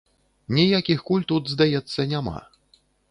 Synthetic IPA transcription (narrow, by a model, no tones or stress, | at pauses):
nʲijakʲixkulʲt̪ud̪zd̪ajɛt̪sːɐnʲama̰